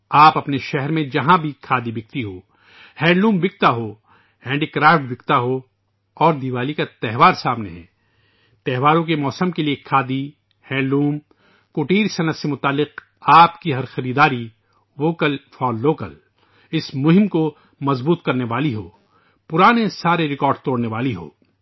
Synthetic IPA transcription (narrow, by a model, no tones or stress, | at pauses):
aːpɐpneʃɛɦɛɾmẽd͡ʒɐɦãbʱikʰaːd̪ibɪk̚t̪iɦoː | hɛ̃ːlũːmbɪk̚t̪aɦoː | hɛ̃ːɳɖikɾaːfʈbɪkt̪aɦo | ɔːɾd̪iʋaːlikat̪ɛɦʋaːɾsaːmnḛɦɛ̰̃ː | t̪ɛɦʋaːɾõk̬emɔːsəmkeliekʰːaːd̪i | hɛ̃ːluːm | kʊʈiːɾsɐnət̪semʊt̪aːlːɪq | aːpkiɦɐɾxɐɾiːd̪aːɾi | ʋoːkəlfʰɔːlːoːkə̰l | ɪsmʊɦɪmko | mɐzbuːt̪kɐɾneʋaːliɦoː | pʊɾaːnesaːɾeɾɪkɔːɾɖt̪oːɽneʋaːliɦo̰ː